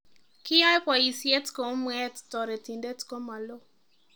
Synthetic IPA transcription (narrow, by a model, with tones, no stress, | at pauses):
kɪ˦ja˦pwa˨i˨sje˦tko˨˦mwɛ˦ttɔ˨ɾe˨ti˨nde˦tko˦ma˨lo˦